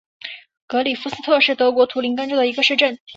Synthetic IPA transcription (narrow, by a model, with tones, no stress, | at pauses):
kɤ˧˥li˨˩fu˥sɹ̩˥t̪ʰɤ˥˧ʂɻ̩˥˩t̪ɤ˧˥kwɔ˧˥t̪ʰu˧˥li˧˥ŋka˥nʈ͡ʂu˥˩d̪ə˩i˧˥ɡə˧ʂɻ̩˥˧ʈ͡ʂə˥˩n